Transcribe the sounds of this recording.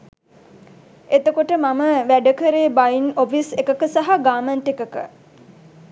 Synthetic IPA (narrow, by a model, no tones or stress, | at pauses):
et̪əkoʈəmaməʋæɖəkəɾeːbajinofisekəkəsaɦaɡaːmənt̪ekəkə